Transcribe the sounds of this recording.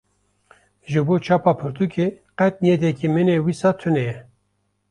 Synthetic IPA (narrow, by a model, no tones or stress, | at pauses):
ʒɨboːt͡ʃʰɑːpɑpʰɨɾt̪ʰukʰe | qɛt̪̚nijɛd̪ɛkimɨnewisɑːt̪ʰɨnɛjɛ